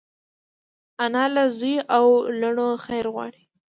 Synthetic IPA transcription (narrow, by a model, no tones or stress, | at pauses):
anɑlazujʔawlaɳoxajɾɣwɑ̰ɽi